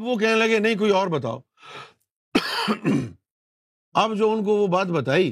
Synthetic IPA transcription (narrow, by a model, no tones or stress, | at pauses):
ɐbʋok̬ɛɦnelɐɡenɐɦĩk̬oːiɔːɾbɐt̪a̰ːo̰ː | ɐbd͡ʒoːʊnk̬oʋobaːt̪bɐt̪aːiː